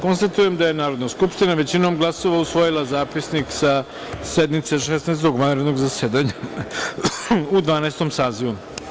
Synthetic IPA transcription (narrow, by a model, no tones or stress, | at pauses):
ko̞nst̪at̪uje̞md̪aje̞naːɾo̞d̪naskupʂt̪inaʋe̞t͡ɕino̞mɡlˠaso̞ʋausʋo̞jilazaːpisniksa | sed̪mit̪seʂesnaːst̪oɡʋanɾed̪no̞ɡzaseːd̪aɲa | ud̪ʋaːnaːst̪o̞msaːziʋu